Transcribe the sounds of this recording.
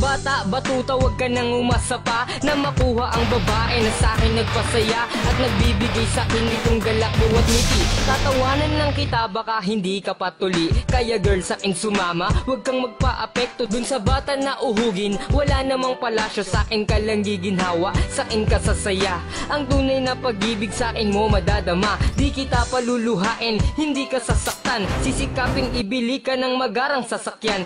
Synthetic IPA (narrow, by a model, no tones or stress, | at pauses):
baːt̪ɐʔbɐt̪uːt̪ɐwɐɡ̚kɐnɐŋʊmasɐpanɐmɐkuːhɐʔɐŋbɐbaːʔɛnɐsaːkɪnːɐɡ̚pɐsɐjaʔɐt̪̚nɐɡ̚biːbɪɡajsɐkɪnːɪt̪oŋɡɐlɐk̚bʊwɐt̪̚nɪt̪it̪at̪ɐwaːnɐnːɐŋkɪt̪abɐkaɦɪnd̪ikɐpɐt̪ʊliʔkɐjaɡɛɹlsɐkɪŋsʊmaːmɐwɐɡ̚kɐŋmɐɡ̚paʔɐpɛk̚t̪od̪ʊnsɐbaːt̪ɐnɐʔʊɦuːɡɪnwɐlanɐmaŋpɐlaːʃo̞saːkɪnkɐlɐŋɡiɡɪnɦaːwɐʔsɐkɪŋkɐsasɐja | ʔɐŋt̪uːnɐjnɐpɐɡ̚ːiːbɪɡsaːʔɪnmo̞mɐd̪aːd̪ɐmad̪ikɪt̪apɐlulʊɦaːʔɪnhɪnd̪ikɐsasɐk̚t̪ansisɪkaːpɪŋɪbɪlikɐnɐŋmɐɡaːɾɐŋsɐsɐkjan